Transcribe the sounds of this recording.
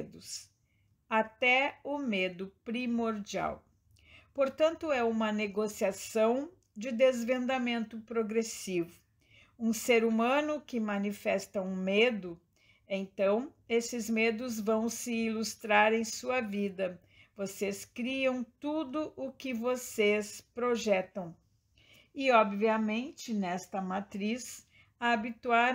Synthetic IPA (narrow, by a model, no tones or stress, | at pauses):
d̪ʊs | at̪ɛʊmed̪ʊpɾimoɾd͡ʒia̰w | poɾt̪ɐ̃nt̪ʊɛũmɐneɡosiasɐ̃w̃ | d͡ʒɪd̪ezvẽnd̪amẽnt̪ʊpɾoɡɾesivʊ | ũseɾumɐ̃nʊkɪmɐ̃nifɛst̪ɐũmed̪ʊ | ẽj̃t̪ɐ̃w̃ | esɪzmed̪ʊzvɐ̃w̃sɪilust̪ɾaɾẽj̃suɐvid̪ɐ | voseskɾiɐ̃w̃t̪ud̪ʊʔʊkɪvosespɾoʒɛt̪ɐ̃w̃ | ɪɔbviɐmẽnt͡ʃɪnɛst̪ɐmat̪ɾis | ɐːbit̪uaɾ